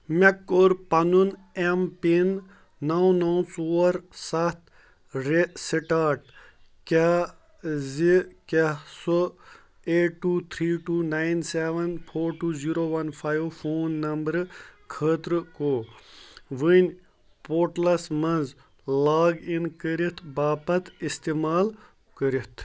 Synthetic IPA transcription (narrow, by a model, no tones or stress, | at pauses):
mekːoːɾpɐnun | empinː | awnaw̃soːɐɾsɐht̪ | ɾesiʈaːʈ̚ | ka | zikɐso | eːʈːuːt̪ʰɾiːʈuːnaːjnseʋɐnpʰoːɾʈuːziːɾoːʋɐnfʰaːjʋfʰoːnːɐmbəɾkʰəːt̪ɾkoː | ʋinʲ | poːɾʈlɐsmɐnz | laːɡinkəɾit̪ʰbaːpɐt̪ist̪emaːl | kəɾit̪ʰ